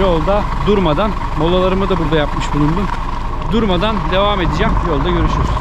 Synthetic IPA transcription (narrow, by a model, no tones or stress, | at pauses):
o̞lˠd̪a | d̪uɾmad̪an | mo̞lˠalˠaɾɯmɯd̪abuɾd̪ajapmɯʃbulˠund̪un | d̪uɾmad̪and̪e̞vame̞d̪id͡ʒɛmbijo̞lˠd̪aɟø̞ɾyʃyɾyɾ